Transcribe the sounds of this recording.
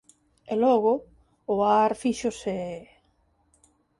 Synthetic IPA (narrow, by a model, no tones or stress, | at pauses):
elɔɣʊ | ʊaɾfiʃose